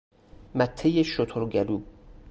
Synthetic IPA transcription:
mæt̪ʰːejeʃot̪ʰoɾɟæluː

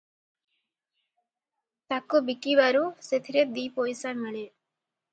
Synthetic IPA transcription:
t̪akubikiβaɾuset̪ʰiɾed̪ipojsamaɭe

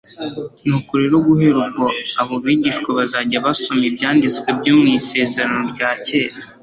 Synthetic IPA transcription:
nukuɾeɾoɡuɦe̞ɾubɡoaβoβiːɟiːʃkweβazaɟaβasomibɟaːndit͡skwebɟoːmŋiːse̞ːze̞ɾano̞ɾɟaːce̞ːɾa

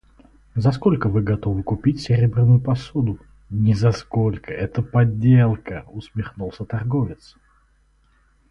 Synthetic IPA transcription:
zɐskolʲkəvɨɡɐt̪o̞vɨkʊpʲitʲsʲɪɾʲebɾʲɪnʊjʊpɐsod̪ʊ | nʲɪzɐskolʲkəɛt̪əpɐdʲːelˠkəʊsmʲɪxnulˠsʲət̪ɐrɡovʲɪt̪s

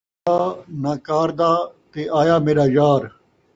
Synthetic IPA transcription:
aːnaːkaːɾd̪aːt̪eːaːjaːmeːɾaːd͡ʒaːɾ

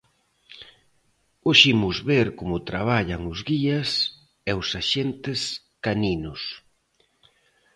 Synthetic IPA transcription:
oʃimʊzβeɾkomʊt̪ɾaβ̞aʎɐŋʊzɣiɐs | ɛʊsaʃent̪ɪs | kaninʊs

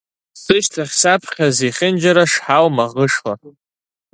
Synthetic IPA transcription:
sɨʃtʰaχʲsapʰχʲaziχʲɪnd͡ʒaɾaʂħawmaʁəʂla

